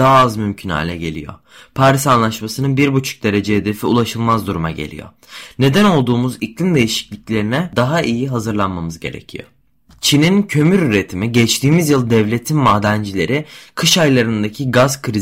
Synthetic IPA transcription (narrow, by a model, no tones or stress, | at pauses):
aːazmymcʰynha̰jlʲɛ̰ɟe̞̰lʲḭjo̞̰ | pʰaɾisanlˠaʃmasɯnɯnbiɾbut͡ʃʰu̥k̚d̪e̞ɾe̞d͡ʒeɦed̪efiṵlˠaʃɯlˠmazd̪uɾuma̰ɟe̞̰lʲḭjo̰ | ne̞d̪æno̞lˠd̪uːmuziclʲind̪e̞jiʃi̥clʲiclʲe̞ɾinɛd̪aɦaʔijiɦazɯɾlˠanmamɯzɟe̞̰ɾe̞̰cʰḭjo̰ | t͡ʃʰinincʰø̞myɾyɾe̞t̪ʰimiɟɛt͡ʃt̪ʰiːmizjɯlˠd̪ɛvlʲe̞t̪ʰinmaːd̪ænd͡ʒilʲe̞ɾɪkʰɯʃajlˠaɾɯnd̪acʰiɡazkʰɾi